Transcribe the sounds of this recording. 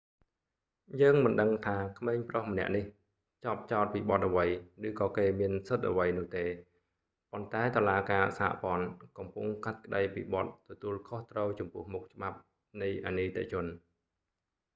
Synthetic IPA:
jəːŋmɨnɗəŋt̪ʰaːkʰmeːɲprohmə̆nɛ̰̆əʔnih | t͡ɕɑp̚t͡ɕaɔt̪̚piːɓɑt̪̚ʔəʋəjrɨːkɑːkeːmiənsɨt̪̚ʔə̰ʋəjnʊ̆əht̪eː | pont̪aɛt̪olaːkaːsa̰ːʔpŏənkɑmpuŋkat̪̚kə̆ɗəjpḭːɓɑt̪̚ːɔt̪uəlkʰoht̪rəwt͡ɕɑmpʊ̆əhmuk̚t͡ɕə̆ɓap̚ | nɨjʔa̰niːt̪ḛʔt͡ɕʊ̆ən

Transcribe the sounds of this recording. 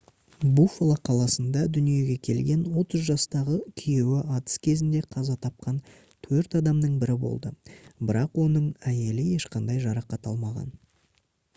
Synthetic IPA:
bufolˠɑqʰɑlˠɑsənd̪ɑd̪ʏnije̞ɡʲe̞kʲʰe̞lɡʲe̞nwo̞t̪əzʒɑst̪ɑʁəkʲʰije̞wɪɑt̪ə̥skʲʰe̞zɪnd̪e̞qʰɑzɑt̪ʰɑp̚qɑn | t̪ʰɵɾt̪ɑd̪ɑmnəɴbɪɾɪbo̞̰lˠd̪əbɪɾɑqwo̞nəɴæje̞lɪje̞ʃqɑnd̪ɑjʒɑɾɑqɑt̪ɑ̰lˠmɑʁɑ̰n

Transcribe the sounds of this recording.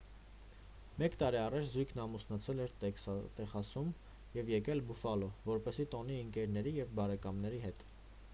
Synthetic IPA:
mɛkt̪ɑɾiɑrɑt͡ʃʰzujkʰnɑmusnɑt͡sʰɛlɛɾt̪ɛχɑsum | jɛvjɛkɛlbufɑlɔvɔɾpɛsit̪ɔniəŋkɛɾnɛɾijɛvbɑɾɛkɑmnɛɾiɦɛt̪

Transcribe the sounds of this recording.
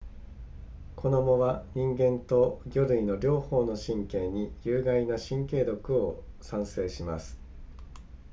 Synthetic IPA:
kʰo̞no̞moβaɲ̟ĩŋɡẽ̞nt̪o̞ɡʲo̞ɾɯ̟ino̞ɾʲo̞ːho̞ːno̞ɕĩŋkẽ̞ːɲ̟ijɯːɡainaɕĩŋke̞ːd̪o̞kɯ̟o̞ | sãɰ̃se̞ːɕima̰sɨ̥

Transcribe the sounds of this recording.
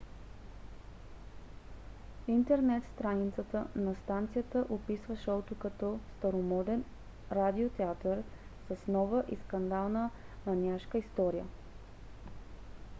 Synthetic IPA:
int̪ɛɾnɛt̪st̪ɾanit̪sət̪ənɐst̪ant̪sijət̪əʔopisvəʃɔʊt̪ʊkɐt̪ɔst̪ɐɾomɔd̪ɛn | ɾad̪iot̪ɛat̪əɾ | səsnɔvəʔiskɐnd̪alˠnə | mɐnʲiaʃkəist̪ɔɾijə̰

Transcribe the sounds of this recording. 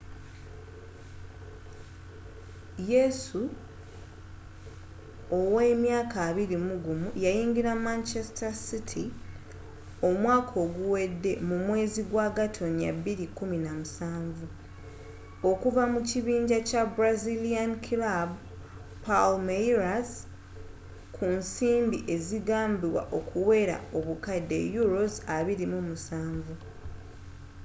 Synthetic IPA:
jesu | oweːmjaːkaːβiɾimuɡumujajiːŋɡiɾamant͡ʃestasitʰi | o̞mwaːkʰo̞ːɡuwe̞dːe̞mumwe̞ːziɡwaːɡatʰo̞nija̰bːiɾikːuminamusaːɱvu | o̞kuvamuciβiːɲɟacabɾaziliankʰilab | palmajɾas | kʰunsiːmbiʔe̞ziɡaːmbiwa̰ʔo̞kʰuwe̞ːɾa̰o̞βukadːe̞̰juɾo̞zaβiɾimumusaːɱvu

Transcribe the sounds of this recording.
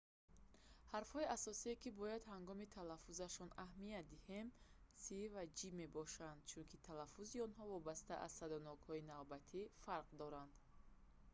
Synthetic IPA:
haɾfhɔiasɔsiekibɔjad̪haŋɡɔmit̪ʰalafuzaʃɔnahmiat̪̚d̪ihe̞msivad͡ʒime̞bɔʃand̪̥̚t͡ʃʰunkʰit̪ʰalafuziɔnɦɔvɔbast̪aʔa̰z̥sad̪ɔnɔɡhɔinavbat̪ʰifaɾqd̪ɔɾand̪̥

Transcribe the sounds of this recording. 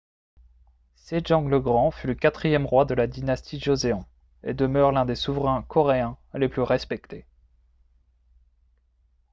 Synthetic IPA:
seʒɑ̃ləɡʁɑ̃fyləkat̪χijɛmʁwad̪əlad̪inast̪iʒozeɑ̃ | ḛd̪əmœʁlɛ̃d̪esuvʁɛ̃kʰɔʁeɛ̃leplyʁɛspɛkt̪ʰe

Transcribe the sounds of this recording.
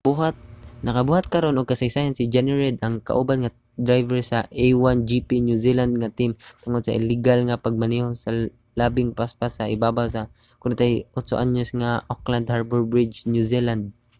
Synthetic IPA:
b̥uɦat̪̚nɐkabuːhat̪̚kɐɾonʔʊɡ̚kɐsajsaːjansɪd͡ʒɛnɛɹɛd̪ʔaŋka̰ʔubanŋa | d̪ɾajvɛɹsaʔejwand͡ʒipinjusiland̪̚ŋat̪ɪmt̪ʊŋod̪saʔɪ̰lɪɡalŋapaɡ̚manihosa | laːbɪŋpaspasaʔɪbaːbaws̬a | kʊnt̪jʔʊt̪soʔaɲʊsŋaʔokland̪haɹbɛɹbɹɪd͡ʒnjusiland̪̚

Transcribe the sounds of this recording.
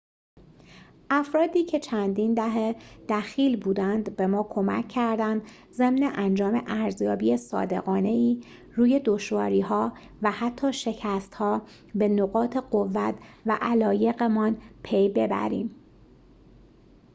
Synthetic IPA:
ʔæfɾɒːd̪iːcʰe̞t͡ʃʰænd̪iːnd̪æɦed̪̥æxiːlbuːd̪ænd̪be̞mɒːkʰo̞mæ̰cʰːæɾd̪ænd̪ | ze̞mneʔænd͡ʒɒːmeʔæɾzjɒːbiːesɒ̰ːd̪e̞̰ɣɒːne̞iː | ruːje̞d̪o̞ʃvɒːɾiːɦɒː | væhæt̪ʰːɒːʃe̞cʰæst̪hɒː | be̞noɣɒːt̪ʰe̞ɢo̞vːæt̪ʰvæʔælɒːje̞ɣe̞mɒnpʰe̞jbe̞bæ̰ɾḭːm

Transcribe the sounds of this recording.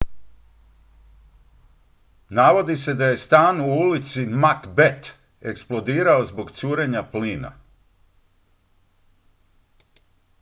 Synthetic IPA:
naʋo̞d̪ise̞d̪aje̞st̪aːnuulit̪simakbe̞t̪ | e̞ksplˠo̞d̪iːɾao̞zbo̞ɡt̪suːɾe̞ɲapliːna̰

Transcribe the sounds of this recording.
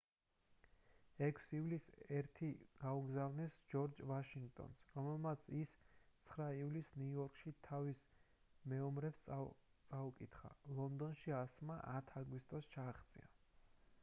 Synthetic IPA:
ɛkʰsivlisɛɾt̪ʰiɡ̥auɡzavnɛsd͡ʒɔɾd͡ʒvaʃiŋɡt̪ʼɔ̰nsɾɔmɛlˠmat̪sʰist̪sʰχɾaivlisnujɔɾkʰʼʃit̪ʰavis | mɛɔmɾɛps | t̪sʼaukʼit̪ʰχa̰lˠɔnd̪ɔnʃiasmaʔat̪ʰaɡwist̪ʼɔst͡ʃʰaːχt̪sʼḭa

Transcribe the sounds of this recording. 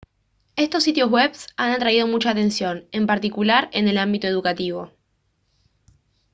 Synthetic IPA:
e̞st̪osːit̪jo̞zweβsanat̪ɾaið̞o̞mut͡ʃaːt̪e̞nsjo̞ne̞mpaɾt̪ikulaɾe̞ne̞lambit̪o̞e̞ðukat̪iβ̞o̞

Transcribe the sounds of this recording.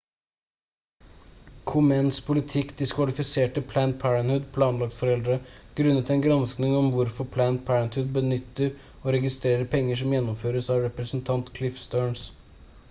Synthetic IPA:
kʰʊmɛnspʰʊlɪt̪ʰɪkd̪ɪskʰʋɑlɪfɪseːʈəpʰlæːnt̪̚pʰæɹənhʉd̪pʰlɑːnlɑkt̪fɔɾɛld̪ɾəɡ̥ɾʉnːət̪ɛnɡɾɑnsknɪŋɔmʋʊɾfɔpʰlæːnt̪̚pʰæɾənt̪hʉd̪bənʏt̪ːəɾ | oɾɛɡɪst̪ɾeːɾəɾpʰɛŋːəʂɔmjɛnːɔmføːɾəsɑːʋɾɛpɾəsn̩t̪ʰɑnt̪kʰlɪfst̪øːɳs

